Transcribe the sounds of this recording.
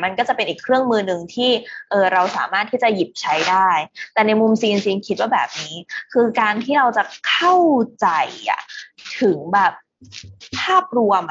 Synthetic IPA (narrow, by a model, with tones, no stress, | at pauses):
ma˧nkɔː˥˩t͡ɕa˨˩pe˧nʔiː˨˩kʰɾɯ˥˩əŋmɯː˧nɯ˧ŋt̪ʰiː˥˩ʔɤː˧˩ɾa˧wsa̰ː˩˦maː˥˩t̪ʰːiː˥˩t͡ɕa˨˩ji˨˩p̚t͡ɕʰa˦˥jdaː˥˩jt̪ɛː˨˩na˧jmu˧msiː˧nsiː˧nkʰi˦˥waː˥˩bɛː˨˩p̚niː˦˥kʰɯː˧kaː˧nt̪ʰiː˥˩ɾa˧wt͡ɕa˨˩kʰa˥˩wt͡ɕa˧jʔa̰˨˩t̪ʰɯ˩˦ŋbɛː˨˩p̚ | pʰaː˥˩p̚ɾu˧əm